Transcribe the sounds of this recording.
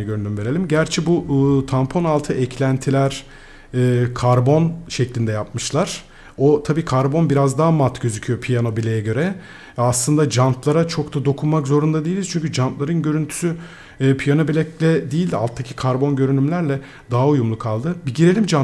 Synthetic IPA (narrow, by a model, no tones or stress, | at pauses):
niɟøɾynymve̞ɾe̞lʲimɟæɾt͡ʃʰɛbut̪ʰampʰo̞nalˠt̪ʰɯʔɛcʰlʲænt̪ʰilʲæɾ̥ | ɛːkʰaɾbo̞nʃɛclʲind̪ɛjap̚mɯʃlˠaɾ̥ | o̞t̪ʰabiːkʰaɾbo̞nbiɾazd̪aɦamat̪ɟø̞zycʰyjo̞pʰijano̞bilʲejɛɟø̞ɾɛ | aslˠɯnd̪ad͡ʒanp̪lˠaɾat͡ʃʰo̞kt̪ʰad̪o̞kʰunmakzo̞ɾund̪ad̪ejilʲiz̥t͡ʃʰyɲcʰyd͡ʒanplˠaɾɯnɟø̞ɾynt̪ʰy̥sy | pʰijano̞bilʲɛclʲɛd̪ijilʲa̰lˠt̪ʰːacʰi̥kʰaɾbo̞nɟø̞ɾynymlʲæɾlʲɛ | d̪̥aɦaujumlˠukʰalˠd̪ɯbiɟiɾe̞lʲimd͡ʒa